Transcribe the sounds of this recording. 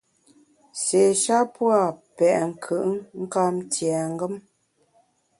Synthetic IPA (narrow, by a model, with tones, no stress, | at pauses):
se˨ʃa˦pwa˦˨pɛ˨ʔŋ̩˨kʰɯ˦˨ʔŋŋ̩˦ka˦m˦tjɛ˨ŋ˦ɡə˦m